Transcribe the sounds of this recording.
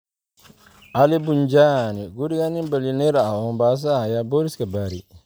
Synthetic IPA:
alibund͡ʒaːniɡuɾiɡanibəlineɾaɔmbaːs̬aːjaboɾiskabaɾi

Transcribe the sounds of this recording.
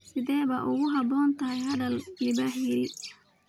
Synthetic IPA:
sɪðɛːβɐʔʊɣʊɦɑbɔːnt̪ʰɐɦɛjɦɐðɐlɪbaħjɪɾɪ

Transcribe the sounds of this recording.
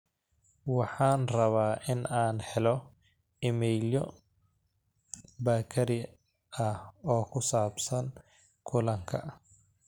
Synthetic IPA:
wɑħɑːnrɐβaːʔɪnaːnħɛlɔ | ɪmɛjljɔ | bɐkʰɐɾɪ | ɐhɔːkʰʊsaːbsɐn | kʰʊlɐŋkʰɐ̰

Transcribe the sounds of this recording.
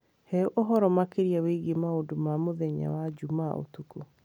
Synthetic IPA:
hɛʔoɦɔɾɔmakeɾiaweɡemaodomamoðɛɲa̰wad͡ʒumaʔo̰tuku

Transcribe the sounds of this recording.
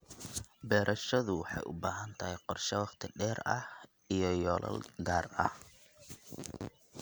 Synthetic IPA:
bɛːɾʔɐʃɐðʊwħɑ̰jʔʊ̰baːɦɐnt̪ʰɐɦɛqɔrʃɛwɑχt̪ʰɪɖɛːɾɐh | ijɔjɔːlʔɐ̰lɡaːrɐ̰h

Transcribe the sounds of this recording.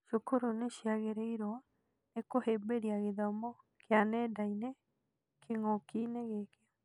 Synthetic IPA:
ʃokoɾoneʃiaɣeɾeiɾoa | ekohebeɾiaɣeðamo | kʰeanedaine | kʰeŋokineɣekea

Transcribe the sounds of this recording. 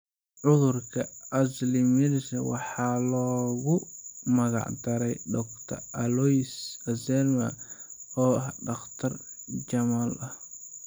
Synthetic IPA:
ʕʊðʊrkʰɐʔɐslɪmɪðswɑħɑːlɔːɣʊmɐɣɑ̰ʕd̪ɐɾɛjɖ̪ɔkt̪ʰɐ̰rʔɐlɔjsɐsɛlmɐ̰ɔːɖɑχt̪ʰɐr | t͡ʃɐmaːlɐh

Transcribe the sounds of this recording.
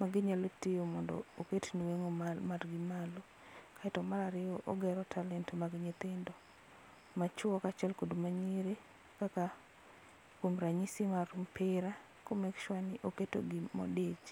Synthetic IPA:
maɡɪɲalotɪjomɔndɔ̰oketniweŋomarɡɪmalo | kaɛtɔmaɾaɾɪɔʔoɡɛɾɔtʰalɛntmaɡɪɲɪt̪ɪndɔ | mat͡ʃwɔkat͡ʃɛlkodmaɲiɾe | kaka | kwomɾaɲisɪmaɾumpʰɪɾa | komɛkʃwanɪʔoketo̰ɡɪmɔ̰det͡ʃ

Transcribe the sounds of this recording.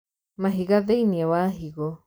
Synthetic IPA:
mãɦiɡaðenĩãwaɦiɡo

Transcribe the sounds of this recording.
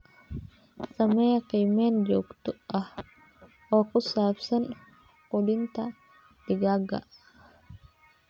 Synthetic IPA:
sɐmɐjɐqiːmeːnd͡ʒoːkt̪ʊɐh | ɔːkʊsaːfsɐn | qʊdɪnt̪ɐ | d̪̥ɪɡaːɡɐ̰ʔ

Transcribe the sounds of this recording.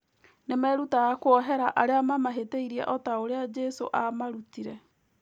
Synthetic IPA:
nemɛːɾutaɣakoɔɦɛɾaʔaɾeamamaɦeteiɾiɛ̰ʔɔtaoɾead͡ʒɛso̰ʔamaɾutiɾɛ

